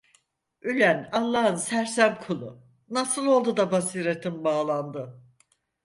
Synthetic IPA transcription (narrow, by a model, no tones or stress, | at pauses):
ylʲænalˠːaːɦɯnsæɾsæmkʰulˠṵ | nasɯlˠo̞lˠd̪ud̪abasiːɾet̪ʰimbaːlˠand̪ɯ